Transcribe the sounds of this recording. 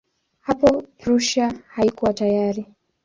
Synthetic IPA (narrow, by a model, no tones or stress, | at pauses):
hapɔpɾuʃahaikuwatajaɾi